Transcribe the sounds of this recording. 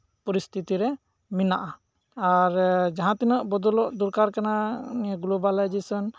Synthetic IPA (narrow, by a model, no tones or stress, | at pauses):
pɔɾist̪ʰit̪iɾɛ | minaʔa | aɾd͡ʒaɦãt̪inɔʔbɔd̪ɔlɔʔd̪uɾkaɾkanaɡulobalajd͡ʒesɔn